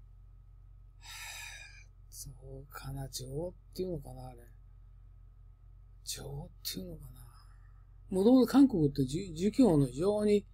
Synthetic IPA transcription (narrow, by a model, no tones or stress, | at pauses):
a | soːkʰanad͡ʑoːt̪ːeiɯno̞kanaːɾe | d͡ʑoːt̪ʰːeɯ̟no̞kana | mot̪omozekãŋko̞kɯ̟t̪ːeɨd͡ʑɨkʲo̞ːno̞id͡ʑo̞ːɲ̟i